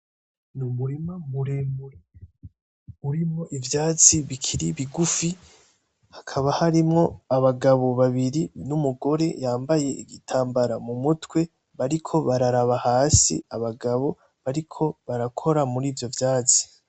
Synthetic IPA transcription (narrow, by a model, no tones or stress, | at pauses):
numuɾimamuɾemuɾe | uɾimŋo̞ʔivjaːt͡siβikʰiɾiβiɡufi | hakʰaβahaɾimŋo̞aβaɡaβo̞βaβiɾinumuɡo̞ɾe̞jaːmbaje̞iɡitʰaːmbaɾamumutwe̞ | βaɾikʰo̞βaɾaɾaβahaːsḭaβaɡaβo̞ | βaɾikʰo̞βaɾakʰo̞ɾamuɾiːvjo̞vjaːt͡si̥